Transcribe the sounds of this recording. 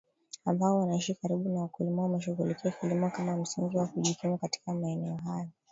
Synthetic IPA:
ambaɔwanaiʃikaɾiɓunawakulimɔumɛʃ̬uɣulikiakilimɔkamam̩siŋɡiwakuʄikumukati̥kamaɛnɛɔɦajɔ

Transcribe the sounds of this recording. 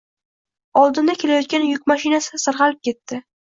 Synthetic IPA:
ɒlˠd̪ɪnd̪akʲʰe̞lajɒt̪̚kʲanjʊkʲmaʃɪnasɪsɨɾʁɑlɪp̚kʲe̞t̪ːɪ

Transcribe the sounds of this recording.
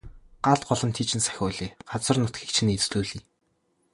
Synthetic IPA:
ɢaɮt̪ɢɔɮɞ̆nt̪ʰiːt͡ɕɪ̆nsæ̥xʲʊːɮiːɢ̥at͡sə̆rnʊt̪ɡiːk̚t͡ɕʰɪ̆net͡sɮuːɮiː

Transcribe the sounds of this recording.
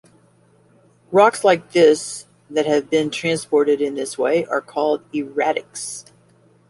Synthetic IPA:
ɹɑkslaɪk̚ðɪs | ðɨt̚hɨvbɪ̃ntʰɹ̥æ̃nspɔɹɾɨɾɨ̃nðɪsweɪʔə̰˞kʰɔlˠdɪɹæɾɨ̰ks

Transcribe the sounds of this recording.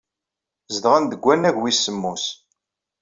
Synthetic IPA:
zəd̪ʁænd̪əɡʷːænæʝwisəmːus

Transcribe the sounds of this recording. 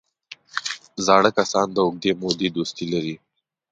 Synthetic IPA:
zɑɽəkasɑnd̪əʊɡ̚d̪emod̪ed̪ost̪ilaɾi

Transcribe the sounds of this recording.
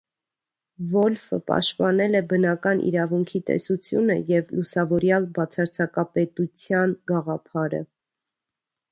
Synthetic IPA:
vɔlfə̰pɑ̰ʃt̪pɑnɛlɛbənɑkɑnʔḭɾɑvuŋkʰit̪ɛ̰sut͡sʰjṵnə̰jɛvlusɑvɔɾjɑlbɑt͡sʰɑɾt͡sʰɑkɑpɛt̪ut͡sʰjɑnɡɑʁɑpʰɑɾə̰

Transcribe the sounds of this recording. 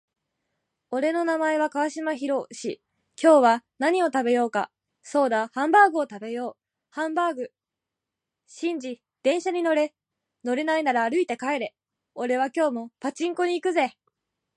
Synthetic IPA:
o̞ɾe̞no̞namae̞β̞akaβaɕimaçiɾo̞ɕḭ | kʲo̞ːβanaɲ̟io̞t̪abe̞jo̞ːka̰ | so̞ːd̪ahãmbaːɡɯ̟ot̪abe̞jo̞ː | hãmbaːɡɯ̟ | ɕĩɲ̟d͡ʑi | d̪̥ẽ̞ɰ̃ɕaɲ̟ino̞ɾe̞ | no̞ɾe̞nainaɾaːɾɯ̟it̪e̞kae̞ɾe̞ | o̞ɾe̞β̞akʲo̞ːmo̞pat͡ɕĩŋko̞ɲ̟iːkɯ̟ze̞

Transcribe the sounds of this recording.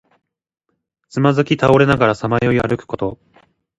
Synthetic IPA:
t͡sɨmazɨkʲit̪ao̞ɾe̞naɡaɾasamajoiaɾɯ̟kɯ̟̥ko̞t̪o̞

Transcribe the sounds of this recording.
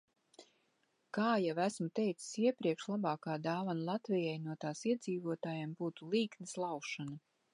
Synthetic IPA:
kaːjavæsmut̪ɛjt̪si̥siɛpɾiɛkʃlˠabɑːkaːd̪aːvanlˠat̪vijajnuɔt̪aːsiɛd̪ziːvuɔt̪aːjambuːt̪ulˠiːknislˠawʃana

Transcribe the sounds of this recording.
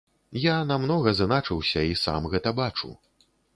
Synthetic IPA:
janamnɔɣɐznat͡ʂɨwsʲɐisa̰mɣɛt̪ɐbat͡ʂṵ

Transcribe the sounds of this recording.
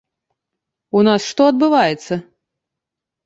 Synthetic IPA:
unasʂt̪ɔɐd̪̚bɨvajɛt̪sːɐ

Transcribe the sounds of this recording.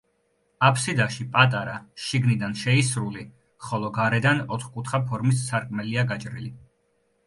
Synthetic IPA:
apʰsid̪aʃipʼat̪ʼaɾaʃiɡnid̪anʃɛisɾuli | χɔlˠɔɡaɾɛd̪anɔt̪ʰχkʼut̪ʰχapʰɔɾmissaɾkʼmɛliaɡat͡ʃʼɾḭli

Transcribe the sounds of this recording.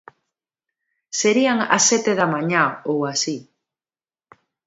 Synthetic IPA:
seɾiaŋa̰sːɛt̪eðamãɲaowasi

